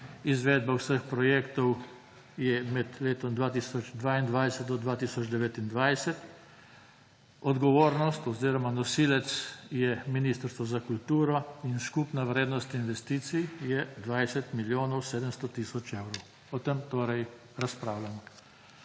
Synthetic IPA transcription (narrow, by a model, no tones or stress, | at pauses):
izʋɛːd̪̚bawsəxpɾɔjekt̪ɔw | jɛmɛd̪leːt̪ɔmd̪ʋaːt̪isɔd͡ʒd̪ʋaind̪ʋajsɛt̪̚d̪ɔd̪ʋaːt̪isɔd͡ʒd̪ɛʋeːt̪ind̪ʋajsɛt̪ | ɔd̪ɡɔʋoːɾnɔst̪ɔziːɾɔmanɔsiːlɛt̪sjɛminist̪əɾst̪ʋɔzakult̪uːɾɔinskupnaʋɾeːd̪nɔst̪inʋɛst̪iːt̪sijjɛd̪ʋajsɛt̪miljoːnɔwseːd̪əmst̪ɔt̪isɔt͡ʃewɾɔw | ɔt̪əmt̪oːɾɛj | ɾaspɾaːwlanɔ